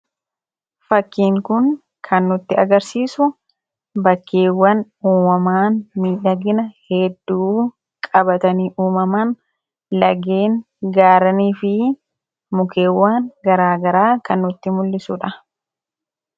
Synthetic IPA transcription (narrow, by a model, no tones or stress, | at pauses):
fɐkːiːŋkʊn | kʰɐnːʊt̪ːɪɐɡɐɾsiːsʊ | bɐkːe̞ːwːɐn | uːmɐmaːnmiːᶑɐɡɪnɐhɛd̪ːuː | kʼɐbɐt̪ɐniːʔuːmɐmaːn | lɐɡeːŋ | ɡaːɾɐniːfɪ | mʊkʰe̞ːwːaːŋɡɐɾaːɡɐɾaːkɐnːʊt̪ːɪmʊlːɪsuᶑɐ